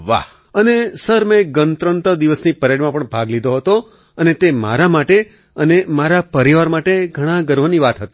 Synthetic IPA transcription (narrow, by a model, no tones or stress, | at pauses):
ʋa̰ɦ | ənesəɾmẽɡənt̪ɾənt̪əd̪iʋəsnipəɾeɽmãpəɳbʱaɡlid̪ʱoɦət̪o | ənet̪ema̰ɾamaʈe | ənemaɾapəɾiʋaɾmaʈeɡʱəɽ̃ãɡəɾʋəniʋat̪ɦət̪i